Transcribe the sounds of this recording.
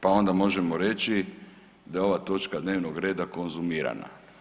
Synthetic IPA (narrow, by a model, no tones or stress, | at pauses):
pao̞nd̪amo̞ʒemoɾe̞t͡ʃi | d̪ajeo̞ʋat̪o̞t͡ʃkad̪neːʋnoɡɾe̞ːd̪ako̞nzumiːɾa̰na̰